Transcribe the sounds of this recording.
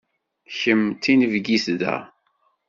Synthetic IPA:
çəmt̪ːinəvɡisðæ̰

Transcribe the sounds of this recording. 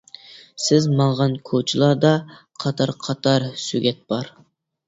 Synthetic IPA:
sɪzmɑɴʁɑnkʰot͡ʃʰilˠɑɾd̪ɑ | qʰɑt̪ʰɑɾqʰɑt̪ʰɑɾsyɡʲɛt̪̚b̥ɑɾ

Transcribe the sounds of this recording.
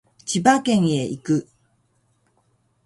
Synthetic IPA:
t͡ɕibakẽ̞ɰ̃e̞ʔikɯ̟

